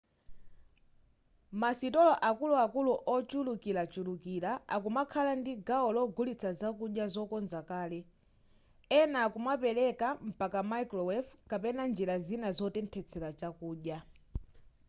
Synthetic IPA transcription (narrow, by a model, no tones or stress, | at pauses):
masitɔlɔʔakuluakuluʔɔt͡ʃulukilat͡ʃulukilaakumakʰalandiɡaɔlɔɡulit͡sʰazakuɗjazɔkɔnzakaːlɛ | ɛnakumapɛlɛkam̩pakamajklɔwɛfkapɛnand͡ʒiɾazinazɔtɛntʰɛt͡sʰɛlat͡ʃakuːɗja